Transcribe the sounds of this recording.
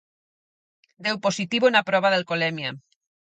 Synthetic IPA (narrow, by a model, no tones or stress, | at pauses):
d̪ewposit̪iβonapɾɔβ̞aðelkolemja